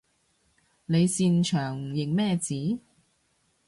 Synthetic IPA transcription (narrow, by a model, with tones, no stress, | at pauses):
ne˨˧jsiː˧nt͡ʃʰœː˨˩ŋjɪ˨k̚mɛː˥˧t͡siː˨˥